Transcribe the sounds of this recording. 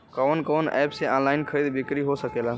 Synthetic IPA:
kəːnkoːnɛːpseãːnlaːɪnkʰəɾid̪bɪkɾiɦosəkeːlã

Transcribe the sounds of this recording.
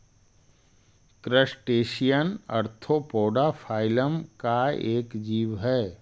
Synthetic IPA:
kɾəsʈeːʃijənɐɾt̪ʰopoːɖafʰaːɪləmkaeːkd͡ʒiːʋɦɛː

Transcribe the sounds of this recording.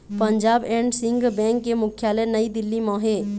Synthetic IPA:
pəɲd͡ʒaːbɛ̃ːɳɖsɪ̃ŋɡbɛ̃ːŋkːemʊkʰjaːlɛnəid̪ɪlːimɔ̃ːɦe

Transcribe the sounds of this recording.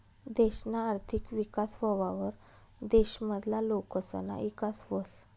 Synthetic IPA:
d̪eɕnaːɾt̪ʰikʋikasʋəʋaʋəɾ | d̪eɕməd̪ʱlalokəsə̰na̰ʔikasʋəs

